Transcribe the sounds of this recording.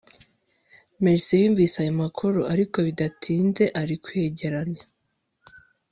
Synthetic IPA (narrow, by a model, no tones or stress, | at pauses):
meɾsejiːɱviːsajomakʰoɾoaɾiko̞βidatʰiːnze̞ʔaɾikwe̞ːɟe̞ɾanja